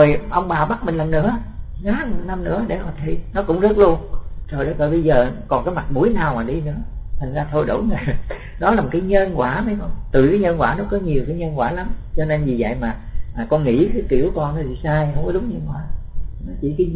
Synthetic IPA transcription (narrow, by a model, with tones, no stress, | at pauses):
o˨˩jʔə˧wŋ͡mɓaː˨˩ɓa˦˥t̚mï˨ŋ̟lə˨˩nnɨ̰˧˥əŋaː˨˦˨na˧mnɨ̰˧˥əɗḛ˧˩hɔ˨˩t̪ʰi˧˩nɔ˨˦kʊ̰˧˥ŋ͡mzə˦˥t̚lu˧ənzo˨˩jɗə˨˦vəː˨˩jɓə˧jzəː˨˩kɔ˨˩nkaː˨˦jma˨˩mu˧˦jnaː˨˩wmaː˨˩ɗi˧nɨ̰˧˥ət̪ʰa˨˩jŋ̟zaː˧t̪ʰo˧jɗo̰˧˩˦ŋə˨˩ | ɗɔ˨˦laː˨˩mo˨˩kaː˨˦jɲə˧nkwaː˧˩mə˨˦jkɔ˧nt̪ɨ˨˩kaː˨˦jɲə˧nkwaː˧˩nɔ˨˦kɔ˨˦ɲi˨˩əwkaː˨˦jɲə˧nkwaː˧˩la˨˦mt͡ɕɔ˧ne˧nzi˨˩zə̰˧˨jmaː˨˩ | ʔaː˨˩kɔ˧nŋḭ˧˥kaː˨˦ki˧˩əwkɔ˧nnɔ˨˦t̪ʰi˨˩saː˧jhə˧wŋ͡mkɔ˨˦ɗʊ˨˦ŋ͡mɲə˧nkwa̰ː˧˩˦nɔ˨˦t͡ɕḭ˧˩˥kaː˨˦